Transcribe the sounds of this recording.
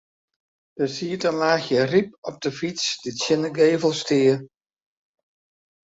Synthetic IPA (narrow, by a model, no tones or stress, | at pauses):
d̥əsiːtəlaːxjərip̚ɔp̚dəfit͡sd̥itsjɪnəɡeːvəlˠstɪə